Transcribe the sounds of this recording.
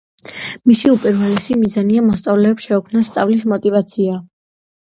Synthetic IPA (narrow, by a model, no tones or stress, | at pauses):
misiupʼiɾvɛlɛsimizaniamɔst̪sʼavlɛːpsʃɛukʰmnast̪sʼavlismɔt̪ʼivat̪sʰia